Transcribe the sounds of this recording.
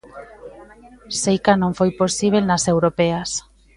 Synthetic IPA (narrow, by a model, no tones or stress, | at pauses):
sejkanõŋfojposiβ̞elnasewɾopeas